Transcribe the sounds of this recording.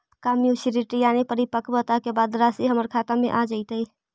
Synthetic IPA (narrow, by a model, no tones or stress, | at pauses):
kamjusiɾiʈijaːnipəɾipəkʰbət̪akebaːd̪ɾasiɦəməɾkʰat̪amḛ̃ʔad͡ʒəɪt̪əi